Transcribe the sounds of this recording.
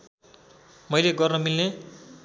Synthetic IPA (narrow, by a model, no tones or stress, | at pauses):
mʌjleɡʌrnʌmilne